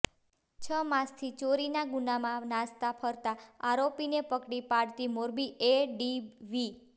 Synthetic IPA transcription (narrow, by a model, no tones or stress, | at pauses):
t͡ʃʰəmãst̪ʰit͡ʃoɾinaɡunamãnãst̪apʰəɾt̪aaɾopinepəkɽipaɽt̪imoɾbieɖiʋi